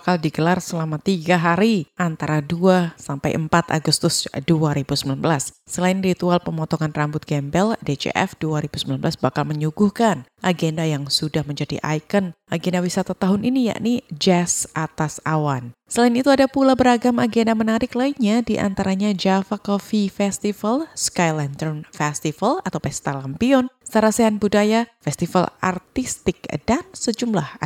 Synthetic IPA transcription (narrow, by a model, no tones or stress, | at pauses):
kaldiɡəlarsəlamat̪iɡaɦaɾiʔant̪aɾaduasampa̰jʔəmpat̪a̰ɡust̪ʊsduaɾibusəmbilanbəlasːəlaɪnrit̪ualpəmɔt̪ɔŋanrambʊt̪̚ɡɛmbɛldet͡ʃḛʔɛ̰fduaɾibusəmilanbəlasbakalməɲuɡuhkanʔaɡendajaŋsudahməɲd͡ʒadḭʔa̰jkənʔaɡendawisat̪at̪aɦʊninija̰ʔnid͡ʒɛsʔat̪asawansəlaɪnit̪uadapulabəɾaɡamaɡendamənaɾɪklaikɲadiʔa̰nt̪aɾaɲad͡ʒafakɔfifɛst̪ifalskajlɛnt̪ɔrnfɛst̪ifalat̪awpɛst̪alampiɔnsaɾaseɦanbudajafɛst̪ifa̰la̰rt̪ist̪ɪk̚d̥ansəd͡ʒumlah